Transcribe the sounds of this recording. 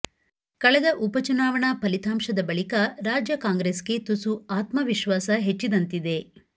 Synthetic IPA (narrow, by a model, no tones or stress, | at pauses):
kɐɭɛd̪ɐʔupɐt͡ʃunaːʋɐɳɐpɐlit̪ʰaːmʃɐd̪ɐbɐɭikɐɾaːd͡ʒjɐkaːŋɡɾeːske̞t̪usuaːt̪mɐʋiʃʋaːsɐɦet͡ʃːid̪ɐnt̪id̪e̞